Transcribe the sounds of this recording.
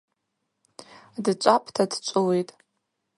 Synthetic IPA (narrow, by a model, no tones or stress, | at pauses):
dt͡ʃʷʼapʼtʰadt͡ʃʷʼʊlejtʼ